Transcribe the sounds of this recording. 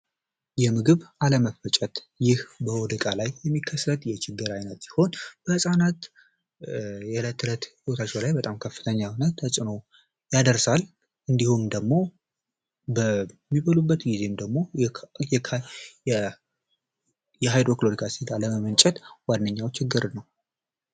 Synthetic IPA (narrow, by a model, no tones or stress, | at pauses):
jɛmɨɡɨβaləməfət͡ʃʼət̪ | jɪhbəwɔd̪əkʼalajːɛmːikʰːəsːət̪jɛt͡ʃʰɪɡːɨɾajnət̪si̥ho̞nb̥əhɨsʼanat̪ | jɛlət̪ʰːɨlət̪hiwot̪ʰat͡ʃːɛlajbət̪ʼamkʰəfːɨ̥t̪ʰəɲːawnət̪ʰːəsʼɨno̞ | jad̪əɾsal | ʔɨnd̪ihumd̪əɡmo̞ | bəmːiβəlubːət̪ɡize̞md̪əɡmo̞jɛ | jɛɦajd̪ɾo̞kloɾikʰasid̪aləməmɨnt͡ʃʼɛt̪wanːəɲːawt͡ʃɪɡːɨɾnəw